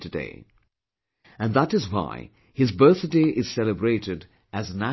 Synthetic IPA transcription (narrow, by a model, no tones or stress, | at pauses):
tɨdḛɪ | ɨ̃nðəɾɨzwa̰ɪ | hɨzbɜ˞θdeɪʔɪz̥sɛlˠəbɹeɪɾɨd | ɨznæ